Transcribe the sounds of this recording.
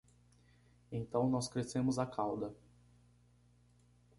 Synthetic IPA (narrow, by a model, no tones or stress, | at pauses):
ẽt̪ɐ̃w̃nɔskɾesẽmʊzakʰawd̪ɐ